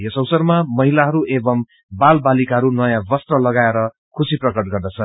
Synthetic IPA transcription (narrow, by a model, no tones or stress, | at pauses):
jʌsʌwsʌrmamʌɦilaɦʌɾuʔebʌm | balbalikaɦʌɾunʌjãbʌst̪rʌlʌɡaeɾʌ | kʰusiprʌkʌʈ̚ɡʌrd̪ʌt͡sʰʌ